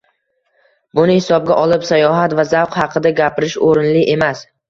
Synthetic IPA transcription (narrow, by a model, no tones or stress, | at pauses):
bʊnɪhɪsɒb̚ɡʲaʔɒlˠɪpsajɒɦat̪vazawqhɑqʰɨd̪aɡʲapɪɾɪʃoɾɪnlɪʔe̞mas